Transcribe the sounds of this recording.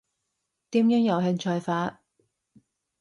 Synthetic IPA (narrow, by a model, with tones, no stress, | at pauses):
t̪iː˨˥mjœː˧˥ŋjɐ˨˩wɦɛ˧ŋt͡ʃʰœː˧jfaː˨˥t̚